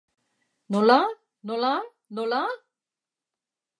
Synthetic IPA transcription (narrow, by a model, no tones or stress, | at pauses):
nola | nola | nola